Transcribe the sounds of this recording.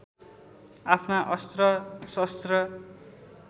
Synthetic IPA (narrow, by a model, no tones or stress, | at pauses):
apʰnaʔʌst̪rʌsʌst̪rʌ